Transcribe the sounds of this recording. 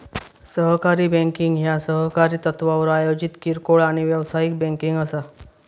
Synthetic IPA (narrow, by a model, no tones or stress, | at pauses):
səɦkaɾiːbɛ̃ŋkiŋɡɦjasəɦkaɾiːt̪ət̪ʋaʋəɾajod͡ʑit̪kiɾkoɭaɽ̃iʋjəʋsajik̚bẽŋkiŋɡəsa